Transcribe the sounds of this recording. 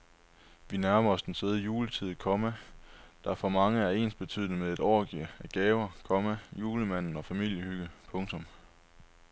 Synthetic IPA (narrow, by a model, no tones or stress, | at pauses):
ʋinæɐmɐɒ̽sd̥ense̝ːð̞ˠəjuːlət͡sʰið̰ˠkʰɒ̽mæd̥ɑ̈æɐfɒ̽mɑ̈ŋəæɐe̝̰ːnsb̥e̝t͡sʰy̰ð̰ˠnəmeðˠe̝d̥ɒ̰ːɡ̥iæɡ̥ɛːʊɐkʰɒ̽mæjuːləmæn̰n̩ɒ̽fæmil̰jəhyɡ̥əpʰɔ̽ŋt͡sʰɔ̽m